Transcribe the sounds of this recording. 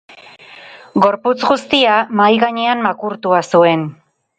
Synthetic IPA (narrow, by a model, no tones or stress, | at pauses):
ɡo̞ɾput͡sɡust̪iamajɣaɲe̞ammakuɾt̪uasue̞n